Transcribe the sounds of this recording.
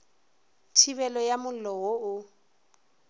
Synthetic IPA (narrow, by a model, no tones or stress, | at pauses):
tʰiβɛlɔjamʊlɔwoʊ